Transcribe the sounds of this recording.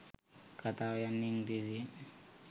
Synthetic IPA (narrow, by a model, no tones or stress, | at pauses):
kat̪ajanːiŋdizi